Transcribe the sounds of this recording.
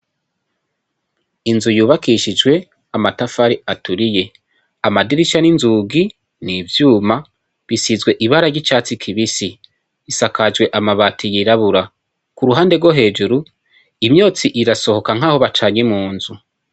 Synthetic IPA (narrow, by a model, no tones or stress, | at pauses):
inzujuːβakiʃid͡ʒɡwe̞ | amatafaɾiatuɾije̞ | amadiɾiʃaninzuɡi | nivjuːma | βisizɡwe̞ʔiβaɾaɟit͡ʃaːt͡sikʰiβisi | isakad͡ʒwe̞ʔamaβatʰijiɾaβuɾa | kuɾuɦaːnde̞ɡwoɦe̞ːd͡ʒuɾu | imjoːt͡siʔiɾaso̞ho̞kaŋ̥aːho̞βat͡ʃaːɲemuːnzu